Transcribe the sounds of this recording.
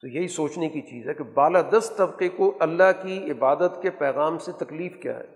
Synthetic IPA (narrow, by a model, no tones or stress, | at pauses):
t̪ojɐɦisoːt͡ʃnekit͡ʃḭːzɦɛkebaːlaːd̪ɐst̪t̪ɐbqekoʔɐlːaɦkiɪbaːd̪ət̪kepɛːɣaːmset̪ɐkliːfkja̰ːɦɛ̰ː